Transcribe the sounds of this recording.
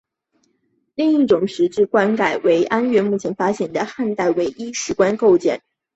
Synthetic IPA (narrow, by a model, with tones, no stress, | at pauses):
li˥˧ŋi˥˩ʈ͡ʂʊ˨˩ŋʂɻ̩˧˥ʈ͡ʂɻ̩˥˩kwa˥nka˨˩ɪwe˧˥ɪʔa˥nɥɛ˥˧nmu˥˩t͡ɕʰjɛ˧˥nfa˥ɕjɛ˨˩nd̪ə˦xa˥˧nt̪a˥˩ɪwe˧˥ɪʔi˥ʂɻ̩˧˥kwa˥nko˥˧ʊt͡ɕjɛ̰˥˩n